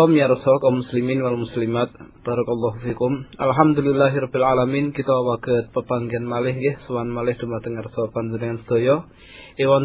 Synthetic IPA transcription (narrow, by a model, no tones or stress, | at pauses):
mjaɾəsɔkaumːusliminwalmuslimat̪̚b̥aɾɔkɔlːaɦufikumʔalɦamd̪ulilːaɦiɾɔbilʕalaminkit̪awaɡ̥ət̪̚pəpaŋɡianmalɪhɡɛhsuwanmalɪhd̥̪umat̪əŋarsɔpand͡ʒənəŋansə̥d̪̥ojɔ | ewan